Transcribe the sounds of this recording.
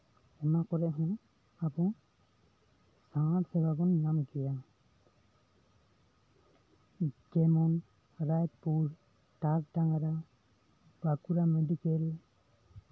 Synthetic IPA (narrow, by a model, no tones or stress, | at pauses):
ɛmakɔɾɛʔɦɔŋ | abɔŋ | satsɛbaɡɔnnamiɡɛja | d͡ʒɛmɔn | ɾajt̪̚puɾ | taɾtaŋaɾa | bakuɾamɛdikɛl